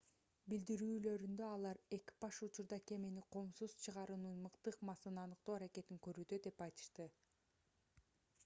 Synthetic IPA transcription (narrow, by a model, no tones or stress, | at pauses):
bild̪iɾyːlø̞ɾynd̪ø̞ɑlˠɑɾe̞ki̥pɑʃut͡ʃuɾd̪ɑke̞meniqʰo̞msuz̥t͡ʃʰɯʁɑɾunɯnmɯqt̪ɯqmɑsɯnɑnɯq̚t̪oːaɾake̞t̪iŋkø̞ɾyːd̪ø̞d̪e̞pɑjt̪ɯ̥ʃt̪ɯ